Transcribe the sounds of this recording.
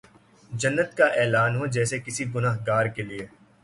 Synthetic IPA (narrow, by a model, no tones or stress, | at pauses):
d͡ʒɐnːət̪kaʔɛːlaːnɦod͡ʒɛːsekɪsiɡʊnaːɦɡaːɾkelie